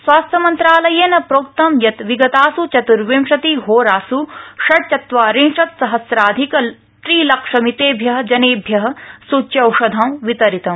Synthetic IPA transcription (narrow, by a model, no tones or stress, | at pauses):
sʋaːst̪ʰjɐmɐnt̪ɾaːlɐjenɐpɾoːk̚t̪ɐmjɐt̪ʋiɡɐt̪aːsut͡ʃɐt̪uɾʋemʃɐt̪iɦoːɾaːsuʃɐɽt͡ʃɐt̪ʋaːɾimʂɐt̪sɐɦɐsɾaːd̪ʱikɐl | t̪ɾiːlɐkʂɐmit̪eːbʱjɐɦɐ̆d͡ʒɐneːbʱjɐɦɐ̆sut͡ʃjɐwʂɐd̪ʱɐmʋit̪ɐɾit̪ɐm